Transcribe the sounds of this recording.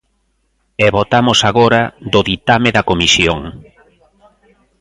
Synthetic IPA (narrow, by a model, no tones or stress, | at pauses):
ɛβot̪amʊsaɣoɾɐðʊðit̪ameðɐkomisjoŋ